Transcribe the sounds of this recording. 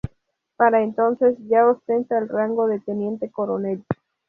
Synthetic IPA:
paɾaent̪o̞nse̞sʝaost̪e̞nt̪aelraŋɡo̞ðet̪e̞nje̞nt̪e̞ko̞ɾone̞l

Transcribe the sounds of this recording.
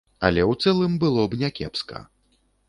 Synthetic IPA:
ɐ̰lʲɛwt̪sɛlˠɨmbɨlˠɔbnʲɛkʲɛ̰pskɐ̰

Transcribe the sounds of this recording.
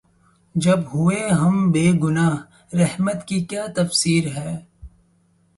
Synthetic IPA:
d͡ʒɐbɦʊeɦɐmbeːɡʊnaːɦ | ɾɐhmət̪kikjaːt̪ɐfsiːɾɦɛː

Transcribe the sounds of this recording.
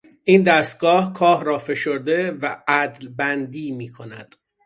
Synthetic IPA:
ʔiːnd̪æst̪̚ɡɒːhkʰɒːhɾɒːfe̞ʃoɾd̪e̞væʔæd̪lbænd̪iːmiːkʰo̞næ̰d̪̥

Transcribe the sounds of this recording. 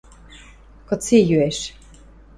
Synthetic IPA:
kɤ̆t͡sijyeʃ

